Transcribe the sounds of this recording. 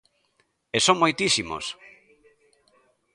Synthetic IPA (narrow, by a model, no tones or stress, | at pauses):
esõŋmojt̪isimo̰s